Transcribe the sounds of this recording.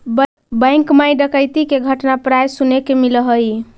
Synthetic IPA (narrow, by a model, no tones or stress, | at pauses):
bə̃j̃ŋkmajɖəkəjt̪ikeɡʱəʈnapɾajsunekemiləɦəj